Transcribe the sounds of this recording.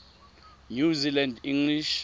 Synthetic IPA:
ɲuzilandĩŋliʃ

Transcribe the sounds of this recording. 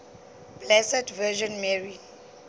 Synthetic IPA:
b̥lɛsɛdvɛʒɔ̃nmɛɹi

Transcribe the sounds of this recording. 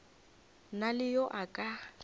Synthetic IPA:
nalɪjoʔakʼa

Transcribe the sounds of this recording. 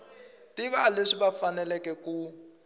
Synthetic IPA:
tiβaleʂiβafanɛlɛkɛku

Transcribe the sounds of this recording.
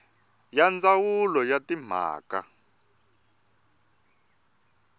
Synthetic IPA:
jand͡zawulɔjatim̤a̰ːka̰

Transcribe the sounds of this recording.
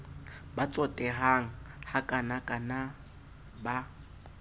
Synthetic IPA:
bat͡sʼɔtʼɛɦaŋ̩hakʼanakʼana | ba

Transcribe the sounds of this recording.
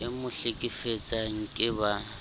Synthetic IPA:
ɪmʊɬɪkʼɪfet͡sʼaŋ̩kʼɪba

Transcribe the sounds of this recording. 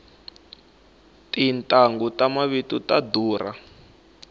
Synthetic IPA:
tintʼaŋɡutamaβitutaduːra̰

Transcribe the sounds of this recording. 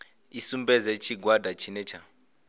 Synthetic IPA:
isumbɛzɛt͡ʃʰiɡwadʱat͡ʃʰinɛt͡ʃʰa

